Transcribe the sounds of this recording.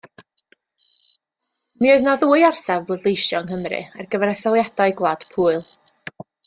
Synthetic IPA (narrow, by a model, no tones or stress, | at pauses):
mioɨðnaðuːjɔrsavblədlˠejʃjɔŋɦəmrɨ̰arɡəvɛɾɛθɔlˠjad̥aɨɡlˠad̥pʰuːɨlˠ